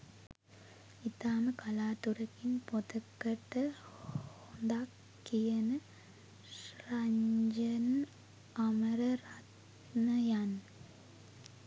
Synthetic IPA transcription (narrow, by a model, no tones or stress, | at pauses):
it̪aːmɨkɐlaːt̪uɾɐkːinpot̪ɐkːɐʈːɐhond̪akː | ijɐnɨ | ʂrɐɲd͡ʒɐn | ɐmɐɾɐrat̪ | nɐjan